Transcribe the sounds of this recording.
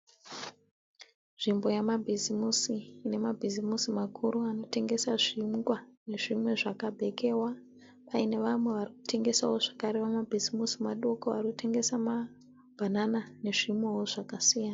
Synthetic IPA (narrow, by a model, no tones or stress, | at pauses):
nʐ̥imbo̞jamabʱizimusiːne̞mabʱizimusimakʰuɾuano̞te̞ŋɡe̞saʐiŋɡwane̞ʐimwe̞ʐakabʱe̞ke̞wa | ʋaine̞ʋamwe̞ʋariku̥tʰe̞ŋɡe̞sawo̞ʐakaɾeʋamabʱizimusimaɗokoʋa̰rikutʰe̞ŋɡe̞sama | bʱananane̞ʐimwe̞woʐakasijaːna